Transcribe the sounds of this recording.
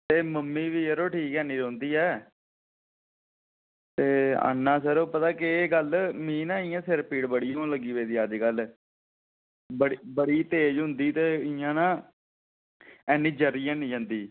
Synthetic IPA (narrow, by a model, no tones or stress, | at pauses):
t̪eːməmːiːʋiːəɾoːʈʰiːkɛːnĩːɾɔ̃ːnd̪iːɛː | t̪eːa̰nːãːsəɾoːpət̪aːkɪeːɡəlmĩːnãːɪjãːsɪɾpiːɽbəɽijãːləɡiːʋeːd̪iːəd͡ʒɡəl | bəɽbəɽiːt̪eːd͡ʒɦʊnd̪iːt̪eːɪjãːnãː | ɛːnĩːd͡ʒəɾiːjãːnĩːd͡ʒãːnd̪iː